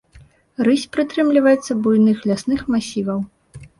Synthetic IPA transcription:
ɾɨsʲpɾɨt̪ɾɨmlʲivɐjɛt̪sːɐbujnɨxlʲasnɨxmasʲivɐw

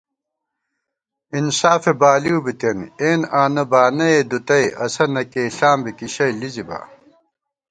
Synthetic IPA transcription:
insaːfebaːliubit̪eneːnaːnɐbaːnɐed̪ut̪ɐjʔɐ̰sɐnɐkeːɬaːmbikiɕɐjliziba̰ː

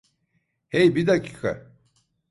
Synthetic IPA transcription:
hejbid̪acʰi̥ːkʰa̰

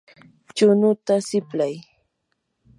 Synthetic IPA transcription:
t͡ʃʊnʊt̪asɪplaj

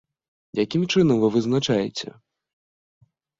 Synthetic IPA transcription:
jakʲimt͡ʂɨnɐmvɨvɨznat͡ʂajɛ̰t͡sʲɛ̰

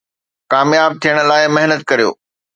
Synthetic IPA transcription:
kaːmjaːb̚t̪ʰijəɽ̃̆laːɪmɐɦnət̪̚kɐɾijo̰ː

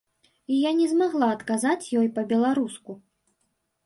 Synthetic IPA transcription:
ijanʲɛzmaɣlˠaɐt̪kazat͡sʲjɔjpɐbʲɛlˠaɾusku

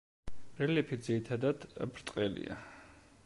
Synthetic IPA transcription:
ɾɛlɛpʰid̪ziɾit̪ʰad̪ad̪̥bɾt̪ʼqʼɛlḭa̰

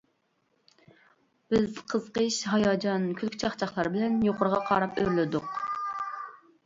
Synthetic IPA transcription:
b̥ɪzqʰəz̥qəʃɦɑjɑːd͡ʒɑnkʲʰylkʲt͡ʃʰɑχt͡ʃʰɑχlˠɑɾbɪlɛnjoqʰʊɾʁɑqʰɑ̰ːɾɑpø̰ɾlɪd̪ʊq

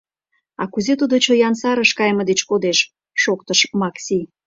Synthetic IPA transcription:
ɑkuzet̪ud̪ot͡ɕojɑnsɑɾəʃkɑjmɤ̆d̪et͡ɕkod̪eʃ | ʃok̚t̪əʃmɑksʲi

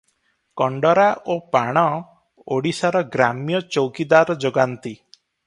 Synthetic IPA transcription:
kɔɳɖɔɾaʔopaɽ̃ɔ | oɽisaɾɔɡɾamjɔt͡ʃowkid̪aɾɔd͡ʒoɡant̪i

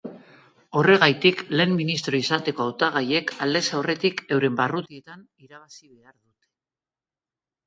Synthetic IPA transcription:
o̞re̞ɣ̞ajt̪ikle̞ːmːinist̪ɾo̞isat̪e̞ko̞awt̪aɣ̞aje̞kald̪e̞sawre̞t̪ike̞wɾe̞mbarut̪ie̞t̪an | iɾaβasiβe̞aɾðut̪e̥

